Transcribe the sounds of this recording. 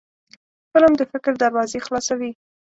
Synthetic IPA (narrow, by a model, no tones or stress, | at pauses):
pəlamd̪əfɪkɾd̪aɾwɑzexlɑsawi